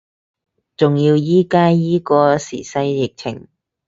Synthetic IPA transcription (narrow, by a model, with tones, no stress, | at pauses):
t͡sʊ˨ŋjiː˧wjiː˥kaː˥jiː˥kɔː˧siː˨˩sɐ˧˥jjɪ˨k̚t͡sʰɪ˨˩ŋ